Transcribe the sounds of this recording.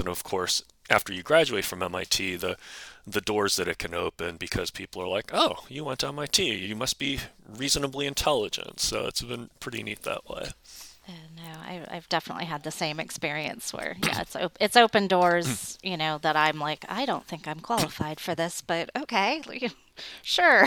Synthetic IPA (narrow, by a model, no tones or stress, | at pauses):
nʌv̥kʰɔɹs | ʔæ̰ftə˞jɨɡɹæd͡ʒʉeɪtfɹʌ̃mɛ̃ma̰ɪtʰiðɨðɨdɔɹzðɨɾɨt̚kʰɨ̃no̰ʊpɨ̃nbɨkʰʌz̥pʰipl̩ˠə̰˞laɪkoʊjɨwɑ̃ntʰɛ̃maɪtʰijɨmʌst̚b̥iɹiznəbliɨ̃ntʰɛlˠəd͡ʒɨ̰̃ntsoʊɨ̰tsb̥ɨ̃npʰɹ̥ɪɾḭnḭt̪̚ðə̰ʔwḛɪʔonoʊa̰ɪa̰ɪvdɛfənə̰ʔˡliɨd̪̚ðɨsẽɪ̃mɨ̰kspɪɹiɨ̰̃nswə̰˞jæ̰ɨ̰tso̰ʊpɨtsoʊpɨ̃ndɔɹzjɨnoʊðəɾãɪ̃mlaɪka̰ɪɾõʊ̃nθɪ̃ŋkãɪ̃mkʰw̥ɑlˠəfaɪd̥fə˞ðɪsb̥ʌtoʊkʰeɪ | ʃʊɹ